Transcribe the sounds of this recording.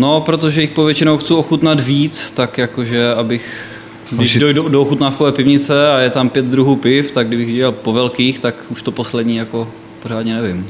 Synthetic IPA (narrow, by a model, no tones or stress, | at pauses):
no̞pɾot̪o̞ʒɛjɪxpovjɛt͡ʃɪnowxt͡suoxut̪nat̪viːt͡st̪akjakoʒɛabɪx | ɡdɪʃdojdudooxut̪naːfkovɛːpɪvɲɪt͡sɛajɛt̪ampjɛd̪̚d̪ɾuɦuːpɪft̪aɡdɪbɪxɛalpo̞vɛlkiːxt̪akuʃt̪o̞po̞slɛd̪ɲiːjako̞ | poɾ̝aːd̪ɲɛnɛvɪm